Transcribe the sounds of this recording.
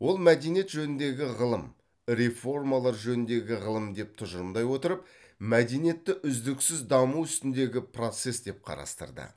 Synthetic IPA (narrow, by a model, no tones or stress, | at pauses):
wo̞lˠmæd̪ejnije̞t̪ʒɵnɪnd̪e̞ɡʲɪʁəlˠəm | ɾefo̞rmalˠɑɾʒɵnɪnd̪e̞ɡʲɪʁəlˠəmd̪e̞p̚t̪ʰʊʒəɾəmd̪ɑjwo̞t̪əɾəp | mæd̪ejnije̞t̪ːɪʔʏzd̪ɪksɪzd̪ɑmuʏst̪ɪnd̪e̞ɡʲɪpro̞t̪se̞sd̪e̞p̚qʰɑ̰ɾɑ̰st̪ə̰ɾd̪ə̰